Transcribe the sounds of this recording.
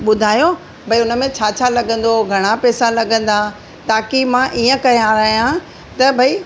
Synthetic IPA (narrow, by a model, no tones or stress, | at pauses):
ɓʊd̪ʱaːjo | bʱɐiʊnə̆mẽt͡ɕʰaːt͡ɕʰalɐɠə̃nd̪oɡʱɐɽ̃apɛːsalɐɡə̃nd̪a | t̪aːkimãʔiːə̃kɐjãɾɐɦijã | t̪ɐbʱɐi